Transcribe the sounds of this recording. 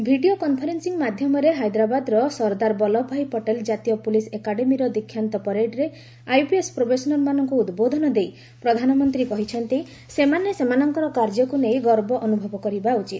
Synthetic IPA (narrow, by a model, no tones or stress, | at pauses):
bʱiɖiokɔnpʰɔɾensiŋmad̪ʱjɔmɔɾeɦajd̪ɾabad̪ɾɔsɔɾd̪aɾbɔlɔbʱajpɔʈeld͡ʒat̪ijɔpulisekaɽemiɾɔd̪ikʰːjant̪ɔpɔɾeɖɾe | ajpiespɾobesɔnɔɾmanɔŋkuːd̪bod̪ʱɔnɔd̪ej | pɾɔd̪ʱanɔmɔnt̪ɾikɔɦit͡ʃʰɔnt̪i | semanesemanɔŋkɔɾɔkaɾd͡ʒɔkunejɡɔɾbɔʔɔnubʱɔbɔkɔɾibaut͡ʃit̪